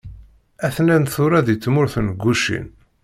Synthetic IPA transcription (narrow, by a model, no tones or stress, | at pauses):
æθnænθʊɾaðit͡sːmʊɾθnɡʷːuʃḭn